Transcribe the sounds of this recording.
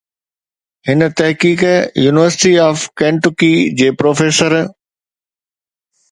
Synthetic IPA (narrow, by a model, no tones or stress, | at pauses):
hɪnə̆t̪ɐɦkiːkjuːnɪʋəɾsɪʈiaːfkɛ̃ːɳʈʊkid͡ʑeːpɾoːfeːsəɾ